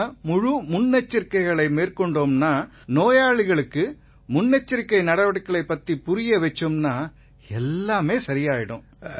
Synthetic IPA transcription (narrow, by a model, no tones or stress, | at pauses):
mʊɻʊmʊnːɛt͡ʃːɪɾkːɐɪɣɐɭɐɪmeːrkɔɳɖoːmnaː | noːjaːɭɪɣɐɭɯkːɯ | mʊnːɛt͡ʃːɪɾkːɐɪnɐɽɐʋɐɽɯkːɐɭɐɪpːɐt̪ːipʊɾɪjɐʋɛt͡ʃːɯmnaː | ɛlːaːmeːsɐɾɪjaːjɪɽɯ̰m